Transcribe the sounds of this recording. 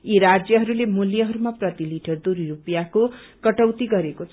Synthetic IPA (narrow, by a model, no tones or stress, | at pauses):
iɾad͡zjʌɦʌɾulemuljʌɦʌɾumaprʌt̪iliʈʌrd̪uɾiɾupjakokʌʈʌwt̪iɡʌɾekot͡sʰ